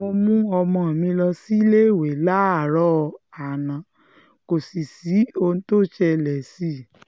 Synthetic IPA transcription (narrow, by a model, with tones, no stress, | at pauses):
o˧mũ˦ɔ˧mɔ̃˧a˨mĩ˧lɔ˧si˦le˦i˦˨we˨˦la˦a˨ɾɔ˦˧a˨nã˨˦ | ko˨si˨si˨˦o˧ñ˧˦to˦˨ʃɛ˧lɛ˨si˦˨